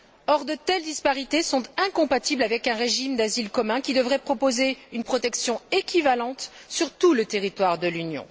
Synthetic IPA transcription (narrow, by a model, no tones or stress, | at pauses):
ɔʁd̪ət̪ɛld̪ispaʁit̪esɔ̃t̪ɛ̃kɔ̃pat̪iblavɛkɛ̃ʁeʒimd̪azilkɔmɛ̃kʲid̪əvʁɛpχɔpozeynpχɔt̪ɛksjɔ̃ekʲivalɑ̃t̪ | syʁt̪ulət̪eʁit̪waʁd̪əlynjɔ̰̃